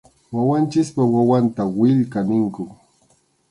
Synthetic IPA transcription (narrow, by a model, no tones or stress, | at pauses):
wawant͡ʃɪspawawant̪awɪʎkanɪŋkʊ